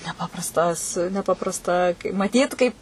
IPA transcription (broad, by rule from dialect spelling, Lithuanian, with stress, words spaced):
nʲɛˈpɑːprɐstɐs nʲɛˈpɑːprɐstɐ mɐˈtʲiːt kɐɪp